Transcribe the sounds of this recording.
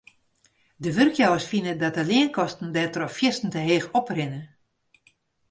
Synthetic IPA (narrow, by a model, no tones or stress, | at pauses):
dəʋørkʰjɔwəsfinədɔt̚əlɪənkʰɔstn̩dɛtrɔfjɪstn̩təɦeːxɔprɪnə